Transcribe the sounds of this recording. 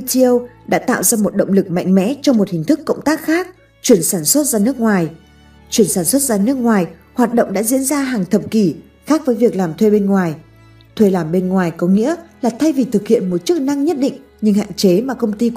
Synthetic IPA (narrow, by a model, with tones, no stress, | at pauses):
t͡ɕi˧ə˧wɗa̰ː˧˥t̪a̰ː˧˨wzaː˧mo˨˩t̚ɗə̰˧˨ŋ͡mlɨ˨˩k̚ma̰˧˨jŋ̟mɛ̰˧˥t͡ɕɔ˧wŋ͡mmo˨˩t̚hï˨˩ŋ̟t̪ʰɨ˦˥kːə̰˧˨ŋ͡mt̪aː˦˥k̚xaː˦˥k̚ | t͡ɕwi˧˩ənsaː˧˩nswə˦˥t̚zaː˧nɨ˦˥ək̚ŋwaː˨˩j | t͡ɕwi˧˩ənsaː˧˩nswə˦˥t̚zaː˧nɨ˦˥ək̚ŋwaː˨˩jhwaː˨˩t̚ɗə̰˧˨ŋ͡mɗa̰ː˧˥zḭ˧˥ənzaː˧ɦaː˨˩ŋt̪ʰə˨˩p̚ki˧˩ | xaː˦˥k̚vəː˨˦jvi˨˩ək̚laː˨˩mt̪ʰwe˧ɓe˧nŋwaː˨˩j | t̪ʰwe˧˩laː˨˩mɓe˧nŋwaː˨˩jkɔ˨˦ŋḭ˧˥əlaː˨˩t̪ʰa˧jvi˨˩t̪ʰɨ˨˩k̚hḭ˧˨ənmo˨˩t̚t͡ɕɨ˦˥k̚na˧ŋɲə˦˥t̚ɗḭ˧˨ŋ̟ | ɲɨ˧ŋha̰ː˧˨nt͡ɕe˨˦maː˨˩kə˧wŋ͡mt̪i˧